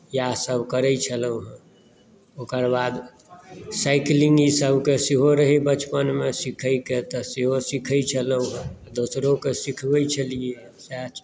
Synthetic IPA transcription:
jasəbkəɾəit͡ʃʰələũɦɛ̃ | oːkəɾbaːd̪ | saɪklɪ̃ŋɡisəbʱkesiɦoɾəɦibət͡ʃpənmẽsɪkʰəiket̪əsiɦosikʰəit͡ʃʰələũɦɛ̃ | d̪oːsɾõkesikʰbəit͡ʃʰəlie | sat͡ʃ

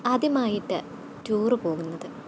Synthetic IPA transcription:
ɐðimaːjiʈːɨ | tuːrɨpo̞ːɣunːɐðɨ

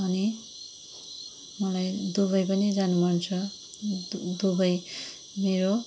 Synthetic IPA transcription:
ʌni | mʌlajd̪uβʌjpʌnid͡zanumʱʌnt͡sʰʌ | d̪ubʌj | meɾo

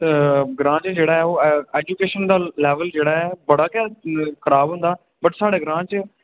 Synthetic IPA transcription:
ɡɾãːt͡ʃd͡ʒeːɽaːɦɛːoːeːd͡ʒuːkeːʃənd̪aːlɛːʋəld͡ʒeːɽaːɦɛːbəɽaːkɛ̃ːkəɾaːbɦʊ̃nd̪aː | bəʈsaːɽeːɡɾãːt͡ʃ

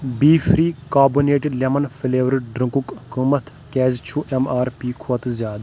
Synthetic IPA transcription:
biːfɾiːkaːbuneːʈɪɖlemɐnfɪleːʋɾɪʈɖɾɐ̃ŋkukkuːmɐt̪ʰ | kɛːzt͡ʃʰuʔemaːɾpiːkʰoɐt̪zjaːd̪

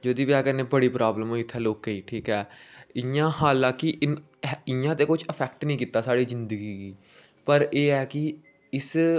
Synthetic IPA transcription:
d͡ʒoːd̪iːʋɪaːkənːẽːbəɽiːpɾaːbləmɦoːiːɪt̪ʰːɛːloːkːiːʈʰiːkɛːɪjãːɦaːlãːkɪ | ɪjãːt̪eːkʊd͡ʒəpʰɛːk̚ʈnĩːkiːt̪aːsaːɽiːzɪnd̪əɡiːɡiː | pəɾeːɛːkɪ | ɪs

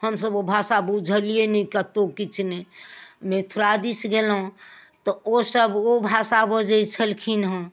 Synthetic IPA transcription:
həmsəbobʱasabud͡ʒʱəlienĩkət̪okit͡ʃʰnemẽt̪ʰuɾad̪isɡelɦũt̪ɔosəbobʱasabod͡ʒəit͡ʃʰəlkʰinɦõ

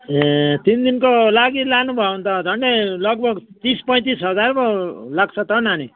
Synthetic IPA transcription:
t̪ind̪inkolaɡilanubʱʌwnt̪ʌd̪ʱʌnɖelʌɡ̚bʱʌɡt̪ispʌj̃t̪isɦʌd͡zarbʌlak̚ʰt͡sʰʌt̪ʌnani

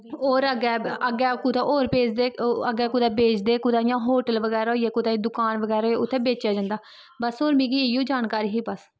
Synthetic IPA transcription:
oːɾəɡɛːəɡɛːkut̪aʔoːɾpeːd͡ʒd̪eːəɡːɛːkʊd̪ɛːbeːt͡ʃd̪eːkʊd̪aːjãːɦoːʈəlʋəɡɛːɾajaːkud̪ãːd̪ʊkaːnʋəɡɛːɾoːʊt̪ʰːeːbeːt͡ʃjaːd͡ʒãːnd̪aː | bəsoːɾmĩːɡiːjuːd͡ʒaːnkaːɾiːɦiːbəs

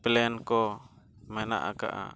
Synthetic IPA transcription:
pɛlɛnkɔ | mɛna̰ʔaka̰ʔa̰

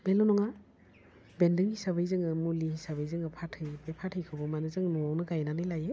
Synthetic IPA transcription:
belɔnɔŋa | bendɯŋisabɯjzɯŋɯmulihisabɯjzɯŋɯpʰatʰɯbepʰatʰɯjkʰɯbɔmanɯzɯŋnɔɔwnɯɡajnanɯjlaje

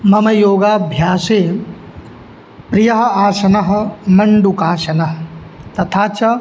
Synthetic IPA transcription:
mɐmɐjoːɡaːbʱjaːseː | pɾijɐɦɐ̆aːsɐnɐɦɐ̆mɐɳɖukaːʃɐnɐɦɐ | t̪ɐt̪ʰaːt͡ʃɐ

